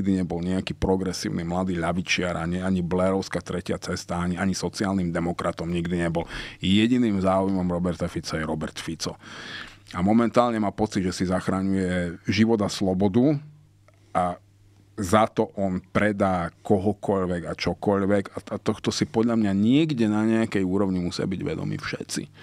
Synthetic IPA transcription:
ɡd̪iɲɛbɔlɲɛakiːpɾɔɡɾɛsḭːʊnimlad̪iːʎaʋit͡ʃɪaɾʔaɲɛaɲiblɛɾɔʊskat̪ɾɛcɪat͡sɛst̪aaɲiaɲisɔt͡siaːlniːmd̪ɛmɔkɾat̪ɔmɲiɡd̪iɲɛbɔljɛɟiniːmzaːujmɔmɾɔbɛɾt̪afit͡sajɛɾɔbɛɾt̪fit͡sɔ̰ | amɔmɛnt̪aːlɲɛmaːpɔt͡sid̪ʒɛsizaxɾaɲujɛʒiʋɔd̪aslɔbɔd̪u | ʔa | zat̪ɔʔɔnpɾɛd̪aːkɔɦɔkɔʎʋɛɡat͡ʃɔkɔʎʋɛɡaat̪ɔxt̪ɔsipɔd̪ʎamɲaɲɪɛɡɟɛnaɲɛakɛjuːɾɔʊɲimusɪa̰biɟʋɛ̰d̪ɔ̰mḭfʃɛ̰t̪t͡sḭ

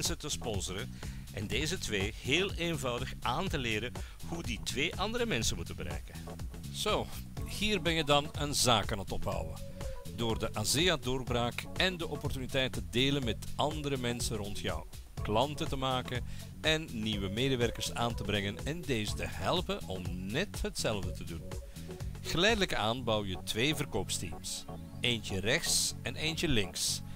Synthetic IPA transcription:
nsətəspɔnzəɾə | ʔɛ̰ndeːzətʋeːheːlˠenvɑwdəxʔaːntəlɪːɾəhuditʋeːʔɑndəɾəmɛnsənmutənbəɾɛ̰jkə | z̥oːhiːrbɛnjədɑnənzaːkaːnətɔpɦɑ̰wə̰doːrdəʔazejadoːrbraːkɛndəʔɔpɔrtynitɛjtːədeːlənmɛtʔɑndəɾəmɛnsənrɔntjɔ̰w | klɑntətəmaːkən | ʔɛnːiʋəmeːdəʋɛrkərsa̰ːntəbɾɛŋənɛndeːzətəɦɛlˠpənɔmnɛtɦətsɛlˠvdətədun | ɣ̥əlɛjdələkaːnbɑwjətʋeːvərkoːpstḭms | eːntərɛxsɛneːntəlɪŋs

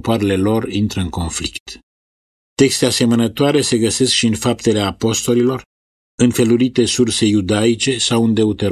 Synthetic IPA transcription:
poaɾele̞lo̞rint̪ɾəɨnko̞nflikt̪ | t̪e̞kst̪ease̞mənət̪oaɾe̞se̞ɡəse̞skʃiɨnfap̚t̪e̞leapo̞st̪o̞lilo̞r | ɨnfe̞luɾit̪e̞surse̞jud̪ait͡ʃe̞sawɨnd̪e̞ut̪eɾ

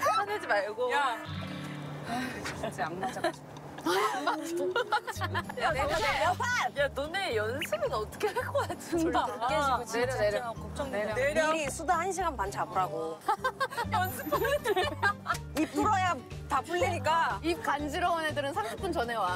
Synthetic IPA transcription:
aned͡ʑimaɭɡoja | t͡ɕat͡ɕʰeaŋmat͡ɕ͈at͡ɕ | ma | jaoaajanonejʌnsʰɯɡɯnʌt͈ʌ̥kʰehaɭk͈ʌk͈at͡ɕ͈ked͡ʑiɡod͡ʑɾkot͡ɕ͈ʌŋeeɾisʰudahanɕ̬ʰiɡanpant͡ɕabuɾaɡo | jʌnsʰɯp͈ | ip͈ʰuɾajatapuɭːiɲik͈aip̚kand͡ʑiɾʌŋwʌnedɯɾɯnsʰamɕʰip͈unt͡ɕʌnɦe̞wa

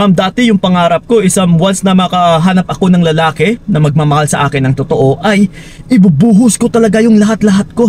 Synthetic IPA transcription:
mɐmd̪aːt̪ɪjʊŋpɐŋaːɾɐp̚ko̞ʔɪsɐmwɐnsnɐmɐkɐɦaːnɐp̚ʔɐko̞nɐŋlɐlaːkɪnɐmɐɡ̚maːmɐhalsɐʔaːkɪnːɐŋt̪ot̪o̞ʔo̞ʔɐj | ʔɪbubuːɦʊsko̞t̪ɐlɐɡajʊŋlɐɦat̪lɐɦat̪̚ko̞

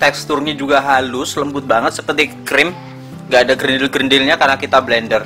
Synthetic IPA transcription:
t̪ɛkst̪ʊrɲid͡ʒuɡaɦalʊsləmbʊt̪̚baŋət̪̚səpət̪ɪkɾɪm | ŋɡaːdaɡɾindɪlɡɾəndɪlɲakarnakit̪ablɛndər

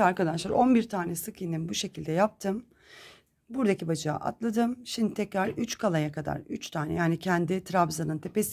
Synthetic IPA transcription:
aɾkad̪aʃlˠaɾo̞nbiɾt̪ʰaːnɛsɯkʰijninbuʃe̞cʰilʲd̪ɛjap̚t̪ʰɯm | buɾd̪acibad͡ʒɯa̰ʔa̰t̪lˠad̪ɯmʃimd̪it̪ʰɛcɾaɾyt͡ʃkʰalˠajakʰad̪a̰ɾyt͡ʃt̪ʰaːnɛ̰jaːnicʰɛnd̪ɪt̪ʰɾabzanɯnt̪ʰe̞pe̞s

